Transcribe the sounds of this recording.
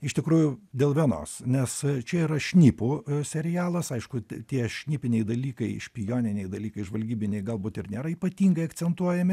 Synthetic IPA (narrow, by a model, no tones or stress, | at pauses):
ɪʃt̪ʲɪkɾuːjʊd̪ʲeːlˠʋʲiɛno̰ːsnʲɛst͡ʃʲɛiːɾɐʃʲnʲipuːsʲɛɾʲɪjæːlˠɐsɐɪʃkʊt̪ʲiɛʃʲnʲiːpʲɪnʲɛɪd̪ɐlʲiːkɐɪɪʃʲpʲɪjoːnʲɪnʲɛɪd̪ɐlʲiːkɐɪʒʋɐlʲɡʲiːbʲɪnʲɛɪɡɐlˠbuːt̪ɪrnʲeːɾɐiːpɐt̪ʲiːŋɡɐɪɐk̪sʲɛnt̪uɔjɛmʲɪ